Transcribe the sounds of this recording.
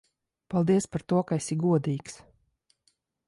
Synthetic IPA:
palˠd̪iɛspaɾt̪uɔkaesʲiɡuɔd̪iːks

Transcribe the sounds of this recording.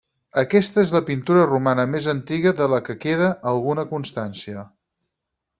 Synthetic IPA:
əkɛst̪əezləpint̪uɾərumanəmezənt̪iɣəðələkəkeðəʔəlˠɣunəkunst̪ansiə

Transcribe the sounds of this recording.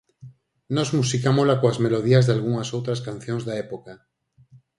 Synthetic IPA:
nɔzmusikamolakoazmeloðiazðealɣ̞uŋasowt̪ɾaskan̟θjõŋzðaepoka

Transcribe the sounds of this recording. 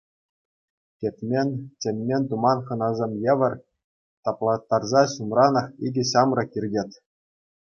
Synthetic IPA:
kʲepʲmʲenʲtʲĕmʲːenʲt̪umɑnχɤ̆nɑzʲemʲjĕʋʲɤ̆rʲ | t̪ɑplˠɑt̪ːɑrzɑɕumrɑnɤ̆χidʲɘ̆ɕɑmrɤ̆kʲirʲdʲet̪ʲ

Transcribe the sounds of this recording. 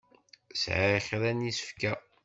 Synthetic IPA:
sʕçɾænisə̥fkæ

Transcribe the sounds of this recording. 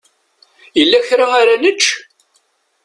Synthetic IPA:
jəlːæçɾaaɾænət͡ʃː

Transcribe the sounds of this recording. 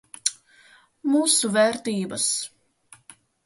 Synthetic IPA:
muːsuvɛɾt̪iːbɐs

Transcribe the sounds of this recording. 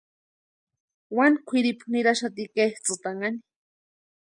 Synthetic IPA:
wankʷʰiɾipχniɾaʃat̪ikeht͡sɨt̪aŋani̥

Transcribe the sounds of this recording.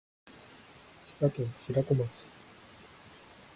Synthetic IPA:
ɕi̥pakẽɰɕiɾakomat͡sɨ̥

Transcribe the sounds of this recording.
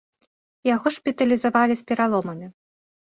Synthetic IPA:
jaɣɔʂpʲit̪ɐlʲizavalʲisʲpʲɛɾalˠɔmɐmʲi

